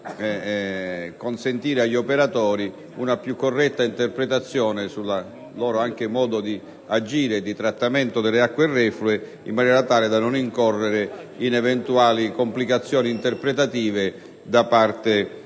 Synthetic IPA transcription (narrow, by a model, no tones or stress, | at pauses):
ɛ | konsent̪iːɾeaʎːopeɾat̪ɔːɾi | unapjukːorːɛt̪ːaint̪erpɾet̪at̪sːjɔːnesulːa | lɔːɾoaŋk̟ɪmɔːd̪od̪i | ad͡ʒiːɾed̪it̪ɾat̪ːament̪od̪elːeakːwerːɛflue | imːanɛːɾat̪aːled̪anoniŋkɔrːeɾeinɛvɛnt̪uaːlikomplikat̪sːjɔːnint̪erpɾet̪at̪iːve | d̪apart̪e